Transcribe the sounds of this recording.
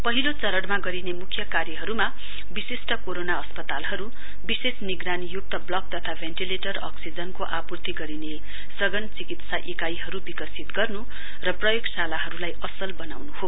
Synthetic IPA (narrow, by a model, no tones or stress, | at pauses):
pʌɦilot͡sʌɾʌɽmaɡʌɾinemukʰjʌkarjʌɦʌɾuma | bisesʈʌkoɾonaʌspʌt̪alɦʌɾu | bisesniɡɾanijuk̚t̪ʌblʌk̚t̪ʌt̪ʰabʱenʈileʈʌrʌ̰ksid͡zʌnkoʔapurt̪iɡʌɾine | sʌɡʌnt͡sikit̪saʔekajɦʌɾubikʌsit̪ɡʌrnu | rʌprʌjoɡsalaɦʌɾulajʌsʌlbʌnawnuho